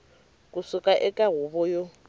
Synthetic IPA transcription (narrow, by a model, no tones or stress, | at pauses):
kʼʊsʊkʼaʔɪkʼaɣʊbɔjo